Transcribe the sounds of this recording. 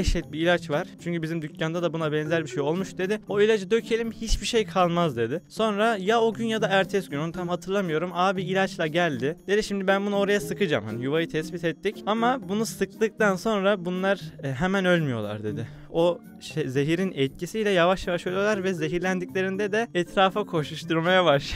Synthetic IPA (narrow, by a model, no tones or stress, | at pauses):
ɛʃɛt̪̚biːlʲat͡ʃvaɾ̥t͡ʃʰyɲʲcʰybizimd̪ycʰjand̪ad̪abunabɛnzælʲbiʃejo̞lˠmuʃd̪e̞d̪ɪo̞ilʲad͡ʒɯd̪ø̞cʰe̞lʲimhit͡ʃbiʃejkʰalˠmazd̪e̞d̪ɪso̞nɾajaoɟynjad̪aæɾt̪ʰɛsɡynounmt̪ʰamɦat̪ʰɯɾlˠamɯjo̞ɾumaːbiilʲat͡ʃlˠaɟælʲd̪ɪd̪e̞d̪iʃimd̪ibænbunao̞ɾajasɯkʰɯd͡ʒa̰mha̰nijuvajɯt̪ʰɛsbit̪ʰɛt̪ːicamabunusɯklˠɯk̚t̪anso̞nɾabunlˠaɾɦɛmænø̞lʲmyjo̞̰lˠa̰ɾd̪e̞d̪ɪ | o̞ | ʃezeɦiɾinɛt̪̚cʰisijlʲɛjavaʃjavaʃolʲˠijolˠaɾvɛze̞ɦiɾlʲænd̪icʲlʲe̞ɾind̪ɛd̪ɛɛt̪ʰɾaːfakʰo̞ʃuʃt̪ʰuɾmajavaʃ